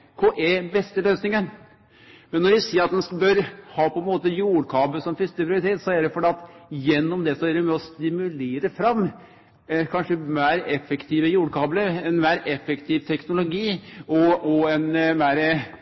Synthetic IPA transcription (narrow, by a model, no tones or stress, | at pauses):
kʰoːʔeːbɛst̪əløːsnɪŋən | mɛnːɔɾʋɪsiːɾɑt̪̚d̪ɛnsbøɾhɑːpʰɔɛnmoːt̪əjuːɽkʰɑːbləsɔmfɪst̪əpʰɾɪʊɾɪt̪ʰeːt̪sɔæɖɛfɔɖɛːɑt̪jɛnːɔmd̪ɛsɔæɾɪmɛɔst̪ɪmʉleːɾəfɾɑmː | kʰɑnʂəmæːɾɛfːəkt̪ʰiːʋəjuːɽkʰɑːbləɛnmæːɾɛfːəkt̪ʰiʋt̪ʰɛknʊlʊɡiːɔɔɛnmæːɾə